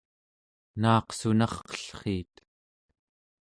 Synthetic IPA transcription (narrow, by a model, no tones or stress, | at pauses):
nɑːqsunɑχqʌ̥ɬχiːt̪